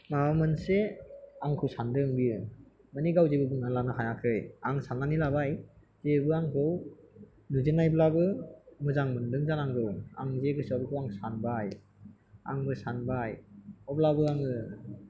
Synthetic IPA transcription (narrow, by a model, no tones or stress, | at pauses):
maamɯnseaŋkʰɯwsandɯŋbiɯ | maniɡawzebɯbɯŋalanɯɦajakʰɯjaŋsanːanilaβaj | z̥ebɯaŋkʰɯw | nuzenajblabɯmɯzaŋmɯndɯŋzanaŋɡɯwa̰ŋzeɡɯsɔbikʰɯwaŋsanbaj | a̰ŋbɯsanbajɔblabɯaŋɯ